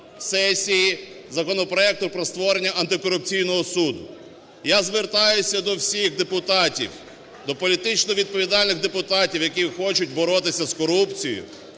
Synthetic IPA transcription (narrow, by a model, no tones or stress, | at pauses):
sɛsʲiji | zɐkɔnɔpɾɔɛk̚t̪ʊpɾɔst̪ʋɔɾenʲːɐʔɐnt̪ɪkɔɾʊpt͡sʲijnɔɦɔsud̪ʊ | jazʋert̪ɑjʊsʲɐd̪ɔwsʲixd̪epʊt̪ɑtʲḭw | d̪ɔpɔlʲit̪ɪt͡ʃnɔʋʲid̪̚pɔʋʲid̪ɑlʲnɪɣd̪epʊt̪ɑtʲiwjɐkʲixɔt͡ʃʊtʲbɔɾɔt̪ɪsʲɐzkɔɾupt͡sʲijʊ̰